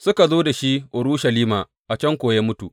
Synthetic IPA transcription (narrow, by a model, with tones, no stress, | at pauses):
sʊ˦ka˨zoː˦da˨ʃi˦ʔʊ˨ɾuː˦ʃɐ˨liː˦maː˨ | ʔa˨t͡ʃɐ˦ŋkʷoː˨ja˦mʊ˦tu˨ʔ